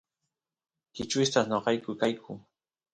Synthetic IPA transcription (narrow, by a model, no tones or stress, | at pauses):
kɪt͡ʃʊst̪aχɲoqɑjkʊkajkʰʊ